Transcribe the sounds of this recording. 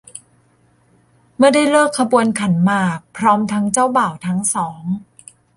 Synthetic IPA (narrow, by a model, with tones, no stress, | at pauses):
mɯ˥˩da˥˩jlɤː˥˩kʰːa˧bu˧ənkʰa˩˦nmaː˨˩k̚pʰɾɔː˦˥mt̪ʰa˦˥ŋt͡ɕa˥˩wbaː˨˩wt̪ʰa˦˥ŋsɔː˩˦ŋ